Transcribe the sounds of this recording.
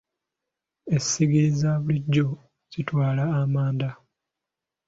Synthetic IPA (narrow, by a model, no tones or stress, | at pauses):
essiɡiɾizaβuliɟːo̞ | z̥itwaːlaːmaːnda